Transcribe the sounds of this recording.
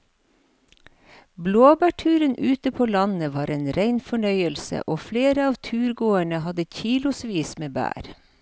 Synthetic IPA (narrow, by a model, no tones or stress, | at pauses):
bloːbæːʈʰʉːɾənʔʉːt̪əpʰoːlɑnəʋɑːɾʔeːnɾeɪnfɔɳœʏəlsə̰ʔoːfleːɾəɑːʋt̪ʰʉːɾɡoːəɳəhɑd̪əçiːlʊsʋiːsmeːbæ̰ːɾ